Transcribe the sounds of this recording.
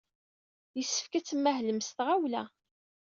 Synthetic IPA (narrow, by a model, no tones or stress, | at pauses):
əsːə̥fkæt͡sːəmːæɦləmst̪ʁawlæ̰